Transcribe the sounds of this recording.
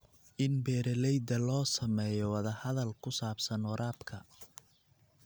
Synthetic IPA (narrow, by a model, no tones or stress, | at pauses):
ʔɪnbɛːɾɛlɛjd̪ɐlɔːsɐmɛːjɔwɑðɐhɐðɐlkʰʊsaːbsɐnwɑɾʔaːbkʰɐ